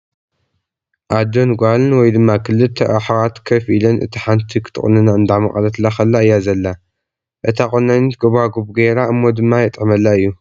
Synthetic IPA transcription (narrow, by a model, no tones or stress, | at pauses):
ʔad̪onɡʷalɨnwɔjd̪ɨmːakʰɨlːɨt̪ʰːɐʔaħwat̪kʰɐfilɐnʔɨ̰t̪ʰiħant̪ʰikʰɨ̥t̪ʰɨ̰nɨnaɨnd̪aʕmɐχʼɐlɐt̪laxɐlːaɨjːazɐlːa | ʔɨt̪ʰakʼonːɐnɨt̪̚ɡoβaɡobɡeɾaɨmːod̪ɨmːajɛt̪ʼʕmɐlːaɨjːu